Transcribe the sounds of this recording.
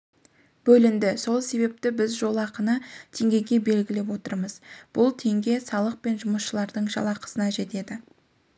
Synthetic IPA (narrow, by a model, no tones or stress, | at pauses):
b̥ɵlɪnd̪ɪso̞lˠse̞βe̞p̚t̪ɪbɪzʒo̞lˠɑqənət̪ʰe̞ŋɡʲe̞ɡʲe̞be̞lɡʲɪle̞p̬wo̞t̪əɾməz̥b̥ʊlˠt̪ʰe̞ŋɡʲe̞sɑlˠəq̚pe̞nʒʊməsʃəlˠɑɾd̪əɴʒɑ̰lˠɑqə̥sənɑʒe̞t̪e̞d̪ɪ